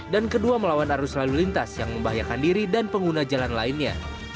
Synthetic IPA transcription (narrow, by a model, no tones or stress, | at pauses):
dankəduaməlawanaɾuslalulint̪asjaŋməmbaɦajakandiɾidanpəŋɡunad͡ʒalanlainɲa̰